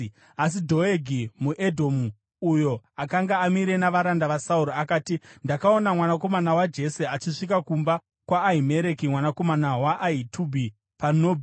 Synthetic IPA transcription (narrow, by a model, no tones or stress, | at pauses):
as̬idʱo̞eɡʱimuʔedʱo̞mu | ujo̞akaŋɡaːmiɾe̞naʋaɾandaʋasauɾoakaːtindakao̞namwanako̞manawad͡ʒe̞se̞at͡ʃiʂik̬akumba | kwaːime̞ɾe̞kimwanako̞manawaʔaitʰubʱi | panoːbʱi